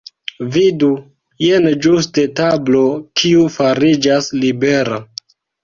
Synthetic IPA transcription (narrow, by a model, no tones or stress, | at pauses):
vidu | jend͡ʒuste̞tablo̞kʰiufaɾid͡ʒaslibe̞ɾa